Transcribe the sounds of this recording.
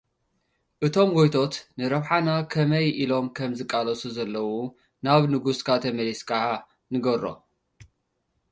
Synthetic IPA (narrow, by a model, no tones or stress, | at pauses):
ʔɨt̪ʰo̞mɡojt̪ʰo̞t̪nɨɾɐβħanakʰɐmɐjʔilo̞mkʰɐmzɨkʼːalɐsuzɐlːɐwu | naβnɨɡuskʰat̪ʰɐmɐliskaʕa | nɨɡɐɾːo̰